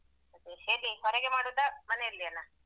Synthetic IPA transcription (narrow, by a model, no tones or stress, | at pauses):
ɐd̪eheːɾihɔɾeɡemaːɽud̪ɐmɐneilːiɐlːa